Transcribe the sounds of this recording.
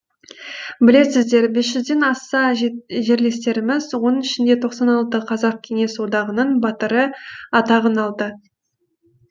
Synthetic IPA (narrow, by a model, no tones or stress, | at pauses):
bɪle̞sɪzd̪e̞ɾbe̞sʒʏzd̪e̞nɑsɑʒe̞ɾle̞st̪e̞ɾɪmɪzwonɪʃɪnd̪e̞t̪ʰo̞qsɑnɑlˠt̪əqʰɑzɑq̚kʲʰe̞ŋe̞swod̪ɑʁənəɴbɑt̪əɾəɑt̪ɑʁənɑlˠd̪ə